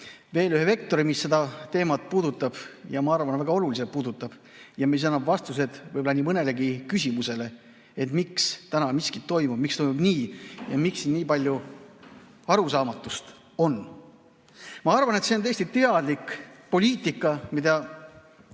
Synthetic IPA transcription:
ve̞ːlyheve̞k̚t̪o̞ɾimisːe̞d̪ɑt̪e̞ːmɑt̪̚puːd̪ut̪ːˑɑb̥jɑmɑɑrvɑnvæɡ̥ɑo̞lulis̬et̪̚puːd̪ut̪ːˑɑb̥ | jɑmis̬ɑnːɑbvɑst̪use̞d̪̥vɤjbolɑniːmɤne̞le̞ɡikysʲimuse̞le̞ | et̪mikst̪ænɑmiskit̪ːo̞jmub̥mikst̪o̞jmubniːjɑ̰miksinniːpɑlʲju | ɑɾusɑːmɑt̪ːˑust̪ | o̞nː | mɑɑrvɑne̞t̪se̞o̞neːsʲt̪it̪e̞ɑd̪likpo̞lʲiːt̪ˑikːˑɑmid̪ɑ

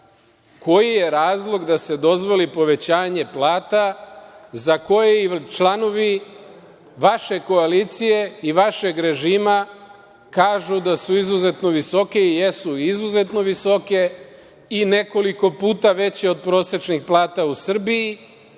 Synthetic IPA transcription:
ko̞jije̞ɾaːzlˠo̞ɡd̪ase̞d̪o̞zʋo̞lipo̞ʋe̞t͡ɕaːɲe̞plˠaːt̪a | zako̞jeit͡ʃlˠano̞ʋi | ʋaʃe̞ko̞aliːt̪sije̞iʋaʃe̞ɡɾe̞ʒiːma | kaːʒud̪asuizuzet̪no̞ʋiso̞ke̞ije̞suizuze̞t̪no̞ʋiso̞ke̞ | ine̞ko̞liko̞puːt̪aʋe̞t͡ɕeo̞d̪̚pɾo̞ːse̞t͡ʃnixplˠaːt̪ausr̩biji

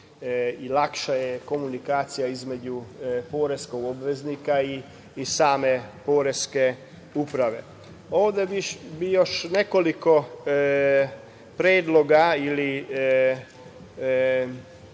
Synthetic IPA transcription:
ilakʃajeko̞munikaːt̪sijaizme̞d͡ʑupoːɾeskoɡobʋe̞znikaiː | saːme̞po̞ːɾeske | upɾaʋe̞ | oːʋd̪ebibijoʃne̞ko̞liko̞ | pɾeːd̪lˠo̞ɡaili

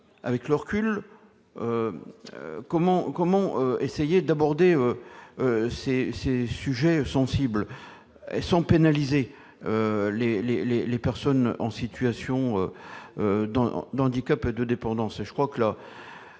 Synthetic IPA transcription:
a̰vɛklœʁkʲyl | ø | kɔmɑ̃kɔmɑ̃øesejed̪abɔʁd̪eøøsesesyʒɛsɑ̃sibl | ḛsɑ̃penalize | ølelelelepɛʁsɔnɑ̰̃sit̪yasjɔ̃øød̪ɑ̰̃d̪ɑ̃d̪ikʲaped̪əd̪epɑ̃d̪ɑ̃seʒə̥kχwakəla

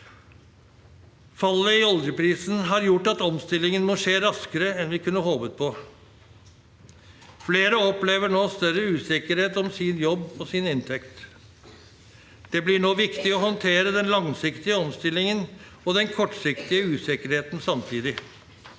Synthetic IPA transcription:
fɑlːəɪɔld̪jəpʰɾiːsn̩ɦɑɾjʊʈːɑt̪ɔmst̪ɪlɪŋənmɔːʂeːɾɑskəɾəɛnʋɪkʰʉnːəɦoːʋət̪̚pʰɔ | fleːɾəɔpleːʋəɳoːst̪œɾəʉːsɪkəɾheːt̪ɔmsɪnjɔbːɔsɪnɪnt̪ʰɛkt̪ | d̪̥ɛblɪɳoːʋɪkt̪ɪɔhɔnt̪ʰeːɾəd̪ɛnlɑŋsɪkt̪ɪəɔmst̪ɪlːɪŋən | ɔd̪ɛnkʰɔʈːsɪkt̪ɪəʉːsɪkəɾheːt̪nsɑmt̪ʰiːd̪ɪ

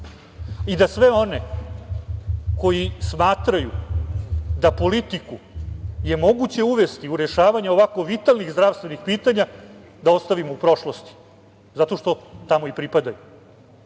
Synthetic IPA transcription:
id̪asʋeo̞ne̞ | ko̞jismaːt̪ɾaju | d̪apo̞lit̪iku | je̞mo̞ɡut͡ɕe̞uʋe̞st̪iuɾeʃaːʋaɲeo̞ʋako̞ʋit̪alniɣzd̪ɾaʋst̪ʋe̞nixpiːt̪aɲa | d̪ao̞st̪aʋimoupɾo̞ʃlost̪i̥ | zat̪o̞ʃt̪o̞t̪amo̞ipɾipad̪aju

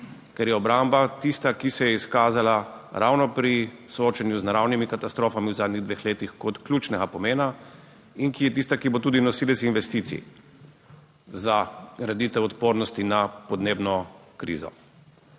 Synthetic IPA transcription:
kɛɾjɛɔbɾaːmbat̪ist̪akisɛjɛiskaːzalaɾawnɔpɾisooːt͡ʃanjuznaɾawnimikat̪ast̪ɾoːfamiwzaːd̪niɣd̪ʋexleːt̪ixkɔt̪klʲjut͡ʃnɛɡapɔmeːna | inkijɛt̪ist̪akibot̪uːd̪inɔsiːlɛsinʋɛst̪iːt̪sḭ | zaɡɾad̪it̪ɛwɔt̪poːɾnɔst̪inapɔd̪neːbnɔkɾḭːzɔ̰

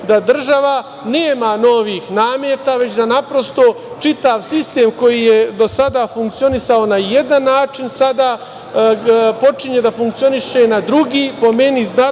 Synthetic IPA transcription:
d̪ad̪r̩ʒaʋa | neːmano̞ʋiːxnaːmje̞t̪aʋe̞t͡ɕd̪anapɾo̞st̪o̞ | t͡ʃit̪aʋsist̪e̞ːmko̞jijed̪o̞sad̪afuŋk̚t̪sio̞nisao̞naje̞d̪anːaːt͡ʃinsad̪aː | po̞t͡ʃiɲe̞d̪afuŋk̚t̪io̞niʃe̞nad̪ɾuɡiːpo̞me̞nizna

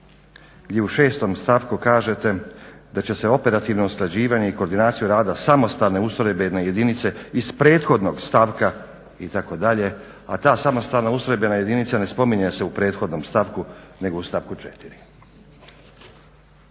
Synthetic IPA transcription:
ɡd̪je̞uʃe̞ːst̪o̞mst̪aʋkukaːʒe̞t̪e̞d̪at͡ɕe̞se̞o̞pe̞ɾat̪iʋno̞usklad͡ʑiːʋaɲe̞ikoɾd̪inaːt̪sijuɾaːd̪asamo̞st̪aːlne̞usoɾebeneje̞d̪init̪se̞ispɾe̞ːt̪xo̞d̪no̞ɡst̪aʋka | it̪ako̞d̪aʎe̞ | a̰t̪aːsamo̞st̪alnausɾojbenaje̞d̪init̪sane̞spo̞miɲese̞upɾe̞ːt̪xo̞d̪no̞mst̪aʋkune̞ɡo̞ust̪aʋkut͡ʃet̪iɾi

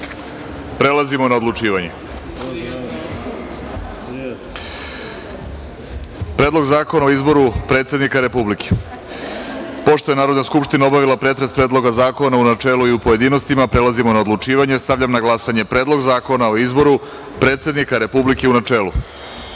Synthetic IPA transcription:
pɾe̞lˠazimo̞nao̞d̪lˠut͡ʃiːʋaɲe̞ | pɾe̞ːd̪lˠo̞ɡzaːkonaoizbo̞ɾupɾe̞ːt̪sʲed̪nikaɾe̞publikʰe̥ | po̞ʃt̪o̞je̞naːɾo̞d̪naskupʃt̪inao̞baʋilˠapɾe̞t̪ɾespɾe̞ːd̪lˠo̞ɡazaːko̞naunat͡ʃeːluiupo̞jed̪ino̞st̪imapɾe̞lazimo̞naod̪lut͡ʃiːʋaɲe̞st̪aʋʎʲamnaɡlˠasaɲe̞pɾe̞ːd̪lˠo̞ɡzaːko̞naoizbo̞ɾu | pɾe̞t̪se̞d̪nikaɾe̞publike̞unat͡ʃeːlu

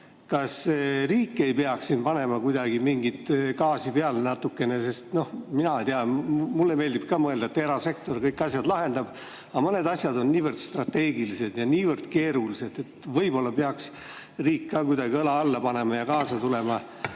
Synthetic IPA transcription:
kɑsriːkːe̞jpeɑksːinpɑne̞mɑkujd̪ɑɡ̥imiŋɡit̪kɑːsipeɑlnɑt̪ːˑukːe̞ne̞se̞st̪no̞hminɑt̪eɑmulːeme̞ːld̪ibp̚kɑːmɤe̞ld̪ɑet̪ːeɾɑse̞k̚t̪o̞rkɤjkːˑɑsʲjɑd̪lɑɦe̞nd̪̥ɑb̥ | ɑmɤne̞d̪ɑsʲjɑd̪o̞nːiːvərd̪̥st̪rɑt̪ːe̞ːɡilise̞d̪jɑniːvərd̪̥̚ke̞ːɾulise̞d̪̥e̞t̪ːvɤjbo̞lːɑpeɑks | riːkːɑːkujd̪ɑɡiɤlɑɑlːɑpɑne̞mɑjɑkɑːsɑt̪ule̞mɑ

